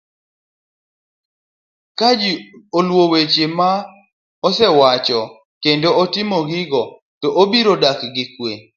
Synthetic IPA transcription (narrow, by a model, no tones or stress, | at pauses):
kad͡ʒiolwowet͡ʃema | ɔsɛwat͡ʃɔ | kendootɪmɔɡɪɡɔ | tɔʔobiɾodakɡɪkwe